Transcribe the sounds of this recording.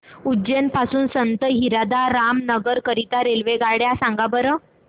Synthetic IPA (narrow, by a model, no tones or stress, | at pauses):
ud͡ʑenpasuːnsənt̪əɦiɾad̪aɾamnəɡəɾkəɾit̪aɾelʋeɡaɽjasãŋɡabəɾə